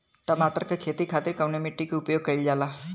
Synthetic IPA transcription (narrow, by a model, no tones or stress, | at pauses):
ʈəmaːʈəɾkekʰeːt̪ikʰaːt̪ɪɾkɐʋnemiʈːikeʊpjoːɡ̚kɐild͡ʒaːla